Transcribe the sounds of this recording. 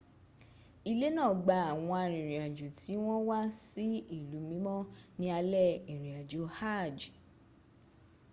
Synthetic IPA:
i˧le˦nãː˦˨ɡ͡ba˨˧a˨w̃ɔ̃˧a˧ɾ̃ĩ˨ɾĩ˨a˨d͡ʒu˨tʰi˨˦w̃ɔ̃˦wa˦si˦i˦˨lu˨˦mĩ˨˦mɔ̃˦nĩ˦a˧lɛ˦˨i˨ɾĩ˨a˨d͡ʒo˨˦ha˦˨d͡ʒ

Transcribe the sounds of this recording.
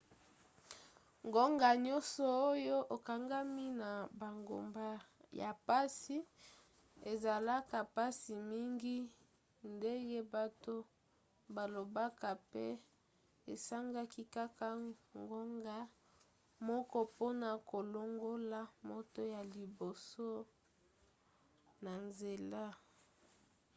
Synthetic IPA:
ŋɡo˦ŋɡa˨ɲɔ˦nsɔ˨o˦jo˦ʔo˨ka˨ŋɡa˦mi˦na˨ba˨ŋɡo̰˨mba˦ja˨pa˦si˦ | e˨za˨la˦ka˨pa˦si˨mi˦ŋɡi˦ | nde˦ŋɡe˦ba˨to˦ | ba˨lo˨ba˦ka˨pe˦ | e˨sa˦ŋɡa˦ki˦ka˦ka˨ŋɡo˦ŋɡa˦ | mɔ˦kɔ˦po˦na˨ko˨lo˦ŋɡo˦la˦mo˦to˦ja˨li˨bo˨so˦ | na˨nze˨la˦

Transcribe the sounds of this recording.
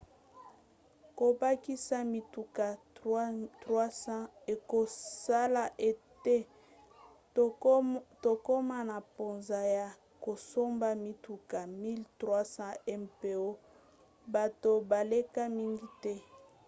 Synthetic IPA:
ko˨ba˦ki˦sa˦mi˨tu˨ka˨˦ | twa˦sã˦e˨ko˨sa˦la˨ʔe˨te˦ | to˨ko˦ma˦na˨po˨nza˨ja˨ | ko˨so˦mba˦mi˨tu˨ka˨mi˦ltʁwa˦sã˦ɛ˦mpe˨o˦ | ba˨to˨ba˨le˦ka˦mi˦ŋɡi˦tɛ˦

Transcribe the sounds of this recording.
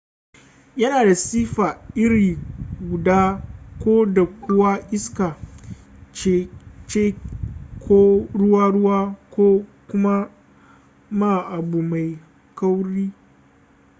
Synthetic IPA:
jɐ˦naː˨da˨siː˦ɸaː˨ʔɪ˦ɽiː˨ɡʷʊ˨daː˦kʷoː˦da˨kʷʊ˦waː˦ʔɪ˦skaː˨ | t͡ʃe˦t͡ʃeː˦kʰʷoː˦ɽʊ˦waː˦ɽʊ˦waː˦kʰʷoː˦kʷʊ˦ma˦ | maː˦˨ʔa˨buː˨ma˨j | ka˦wɽiː˦

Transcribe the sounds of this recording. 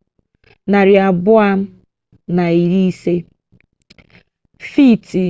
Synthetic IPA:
na˨ɾɪ˨a˨bʊ˦a˦m̩˦ | na˨i˨ɾi˦i˦se˦ | fi˦˨ti˨

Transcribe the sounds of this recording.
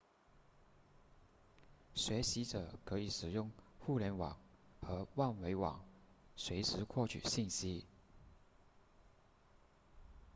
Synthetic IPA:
ɕɥɛ˧˥ɕi˧˥ʈ͡ʂɤ˨˩˦kʰɤ˧˥i˨˩ʂɻ̩˨˩jʊ˥˧ŋxu˥˩ljɛ˧˥nwɑ̰˨˩ŋxɤ˧˥wa˥˩nwe˧˥ɪwɑ̰˨˩˦ŋ | swe˧˥ɪʂɻ̩˧˥kʰwɔ˥˩t͡ɕʰy̰˨˩ɕi˥˩nɕi˥

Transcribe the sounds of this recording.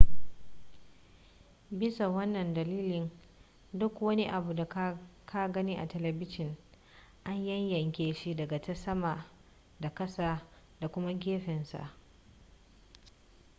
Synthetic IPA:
bɪ˦sa˨wɐ˦nːɐ˨ndɐ˨liː˦lɪ˨n | dʊ˦kwɐ˦ni˦ʔa˨bu˨da˨˦kʰa˦ɡɐ˦ni˦ʔa̰˨tɐ˨lɛ˨bɪ˦ʃɪ˨n | ʔa˦ɲjɐ˦ɲjɐ˨ŋkʲeː˨ʃi˦dɐ˨ɡa˨tɐ˦sɐ˦ma˨ʔ | da˨kɐ˦sa˦ | da˨kʷʊ˦ma˦ɡʲeː˦ɸɪ˨nsa̰˨ʔ

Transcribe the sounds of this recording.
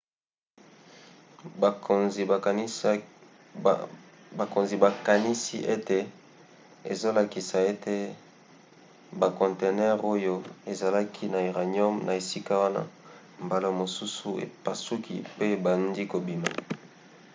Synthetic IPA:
o˨nzi˨˦ | ba˨ko˨nzi˨ba˨ka˨ni˦si˦ʔe˦te˨ | e˨zo˦la˨ki˨sa˨e˦te˦ | ba˨kɔ̃˨nte˨nɛ˦ʁo˦jo˦e˨za˨la˦kʰi˦na˨i˨ʁa˨ɲɔ˦mnʔa˨e˨si˦ka˦wa˦na̰˦ | mba˨lo˨mo˨su˦su˨ḛ˨pa˨su˦kʰḭ˨pe˦e˨ba˨ndi˦ko˨bi˨ma̰˨

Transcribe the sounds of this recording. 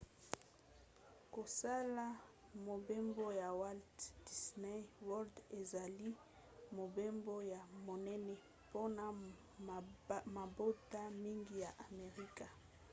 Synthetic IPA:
ko˨sa˦la˦ | mo˨be˦mbo˦ja˨wa˦ltd̥i˨sne˦wɔ˦lde˨za˨li˦ | mo˨be˦mbo˦ja˨mo˨nɛ˦nɛ˦ | po˦na˨ | ma˨bo˦ta˦mi˦ŋɡi˦ja˨ʔa˨me˨ʁi˦ka˨

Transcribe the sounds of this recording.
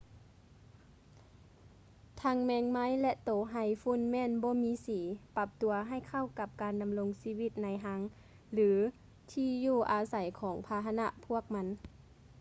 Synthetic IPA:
t̪ʰa˧˥ŋmɛː˧˥ŋma˧˥˨jlɛ˧t̪oː˨˦ɦa˧˩jfu˧˥˨nmɛː˧˥˨nbɔː˧˦miː˧˥siː˨˦pa˧p̚t̪u˨˩ɐɦa˧˩˨jkʰa˧˩˨wka˧˦p̚kaː˨nda˨mlo˧ŋsiː˧˥˧wi˧˩t̪̚na˧jɦa˧˥ŋ | lɯː˩˦ | t̪ʰiː˧˩juː˧˩ʔaː˨sa˨˦jkʰɔː˩˦ŋpʰaː˧ɦa˧na˧ʔpʰu˧˥˩ək̚ma˧˥n

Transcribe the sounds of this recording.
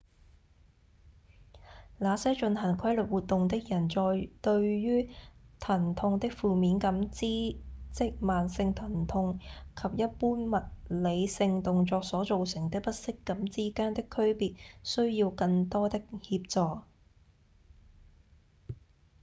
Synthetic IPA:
laː˨˧sɛː˥t͡ʃɵ˧nhɐ˨˩ŋkʷʰɐ˥jlɵ˨t̚wuː˨˩t̪̚t̪ːʊ˨ŋt̪ɪ˥k̚jɐ˨˩nt͡sɔː˧jt̪ɵ˧ɥɥyː˥t̪ʰɐ˨˩nt̪ʰʊ˧ŋt̪ɪ˥k̚fuː˨miː˨˥nkɐ˨˥mt͡siː˥t͡sɪ˥k̚maː˨nsɪ˧ŋt̪ʰɐ˨˩nt̪ʰʊ˧ŋkʰɐ˨p̚jɐ˥t̚puː˥nmɐ˨t̚le˨˧jsɪ˧ŋt̪ʊ˨ŋt͡sɔː˧k̚sɔː˨˥t͡so˨wsɪ˨˩ŋt̪ɪ˥k̚pɐ˥t̚sɪ˥kːɐ˨˥mt͡siː˥kaː˥nt̪ɪ˥kʰːɵ˥ɥpiː˨t̚sɵ˥ɥjiː˧wkɐ˧ŋt̪ɔː˥t̪ɪ˥k̚hiː˧p̚t͡sɔː˨˧k̚

